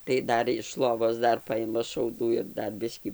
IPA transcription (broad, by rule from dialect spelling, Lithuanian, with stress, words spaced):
tɐɪ ˈdɐr ɪʃ ˈlˠoːʋoːs ˈdɐr ˈpɐɪmɐ ʃɐʊˈduː ɪr ˈdɐr ˈbʲɪsʲkʲiː